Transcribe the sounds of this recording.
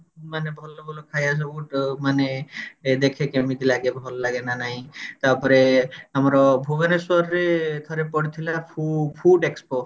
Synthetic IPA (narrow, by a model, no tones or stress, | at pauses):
manebʱɔlɔbʱɔlokʰajas̬ɔbuʈmaned̪ekʰekemid̪ilaɡebʱɔlɔlaɡenanaɦĩt̪aɾpɔɾeamɔɾɔbʱuɡeneswɔɾɔɾet̪ʰɔɾepɔɽit̪ʰilapʰupʰuɖekspo